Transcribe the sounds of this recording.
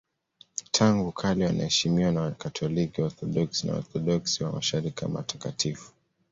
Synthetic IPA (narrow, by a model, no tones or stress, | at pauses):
tʰaŋɡukʰaliwana̰hɛʃimiwanawakatʰɔlikiɔɾθɔɗɔksina̰ɔ̰ɾθɔɗɔksiwamaʃaɾikima̰tḁkatʰifu̥